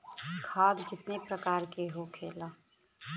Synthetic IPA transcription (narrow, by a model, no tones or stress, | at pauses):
kʰaːd̪kɪt̪nepɾɐkaːɾkeɦokʰeːlaː